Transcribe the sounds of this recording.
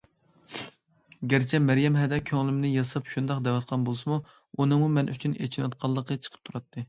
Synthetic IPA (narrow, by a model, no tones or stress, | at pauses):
ɡʲæɾt͡ʃʰɛmæɾjɛmɦɛd̪ɛkʲʰøŋlɪmnɪjɑsɑpʃund̪ɑqd̪ɛwɑt̪̚qʰɑnbolˠsɨmu | unɨŋmumɛnʔy̰t͡ʃʰynḛt͡ʃʰinɑt̪̚qʰɑlˠːəqʰət͡ʃʰə̥qʰə̥p̚t̪ʰuɾɑt̪ʰːɨ